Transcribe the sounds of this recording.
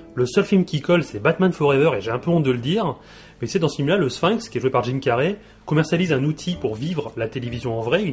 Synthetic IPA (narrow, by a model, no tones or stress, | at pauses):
ləsœlfilmkʲikɔlsɛbat̪manfɔʁɛvœʁeʒeɛ̃pøɔ̃d̪ələd̪iːʁ | mɛsɛd̪ɑ̃səfilmlaləsfɛ̃kskʲiɛʒwepaʁʒinkʲaʁe | kɔmɛʁsjalizɛ̃nut̪ʰipuʁvivʁlat̪elevizjɔ̃ɑ̃vʁɛy